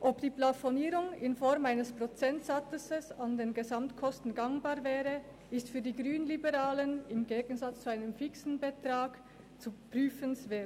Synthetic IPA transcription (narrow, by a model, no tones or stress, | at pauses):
ʔɔpd̥iːplafoniːɾʊŋɪnfɔɾmaɪnəspʁot͡sɛntsat͡səsəsandeːnɡezamtkʰɔstn̩ɡaŋbaːɾvɛːʁə | ɪstfyːɐdiːɡʁyːnlibɛʁaːlənɪmɡeːɡən̩zat͡st͡suaɪnəmfɪksn̩bɛtʁ̥aːɡ̥ | t͡supʁ̥yːfənsvɛːɐt